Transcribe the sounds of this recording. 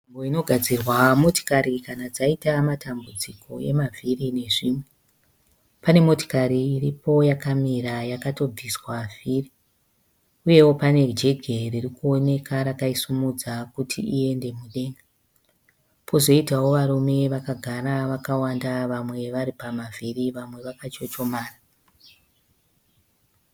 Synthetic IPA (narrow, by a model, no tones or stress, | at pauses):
mboino̞ɡʱad͡zirwamoto̥kaɾikanad͡zaitamatʰambud͡ziko̞e̞̰mavʱirine̞ʐiːmwe | pane̞mo̞to̥kaɾiːripo̞jakamiɾajakato̞b͡viswaviri | uje̞wo̞pane̞d͡ʒe̞ɡʱe̞ririkuo̞ne̞kʰaɾakaisumud͡zakutʰḭʔie̞nde̞muɗe̞ːŋɡa | pʰo̞zo̞itawo̞ʋaɾume̞ʋakaɡʱaɾaʋakawandaʋamwe̞ʋaɾipamaviriʋamwe̞ʋakat͡ʃo̞t͡ʃo̞maːra